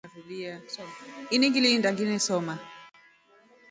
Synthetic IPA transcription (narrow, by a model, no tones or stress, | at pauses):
ɾuɗia | iniŋɡilindaŋɡinɛsɔma